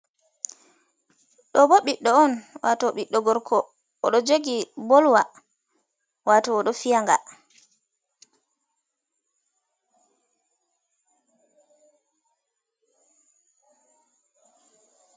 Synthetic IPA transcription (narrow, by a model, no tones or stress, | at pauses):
ɗɔbɔɓiɗːɔɔnwatɔɓiɗːɔɡɔɾkʰɔː | ɗɔd͡ʒoɡibɔlwa | watɔːɗɔfijaŋɡa̰